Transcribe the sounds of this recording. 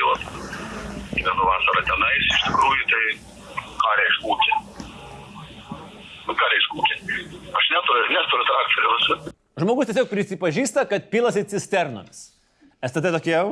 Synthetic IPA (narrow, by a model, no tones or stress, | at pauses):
ʋɔt̪ | mʲɛnʊʋɑːsɐɾɐt̪ʲɛnɐɪsɪʃt̪ʲɪkɾuːjʊt̪ɐɪ | kɑːɾʲɛɪʃkuːkʲɪ | kɑːɾʲɛɪʃkuːkʲɪɐʃnʲæt̪oɾʲnʲɛːst̪oɾʲɪt̪ɾɑkt̪oɾʲɪlɐsʲɪ | ʒmoːɡʊst̪ʲiɛsʲoːk̚pʲɾʲɪsʲɪpɐʒʲiːst̪ɐkɐt̪̚pʲiːlˠɐsʲɪt͡sʲɪsʲt̪ʲɛɾno̰mʲɪs | ɛst̪ɐt̪ɛt̪oːkʲiɛ